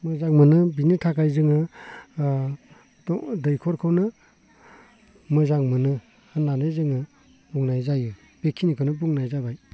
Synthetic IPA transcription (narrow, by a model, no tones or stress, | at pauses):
mɯzaŋmɯnɯbinitʰakajzɯŋɯ | dɔdɯjkʰɔɾkʰɯwnɯ | mɯzaŋmɯnɯ | hɯnːanɯjzɯŋɯ | buŋnajzajɯ | b̥ekʰːinikʰɯnɯbuŋnajzabaj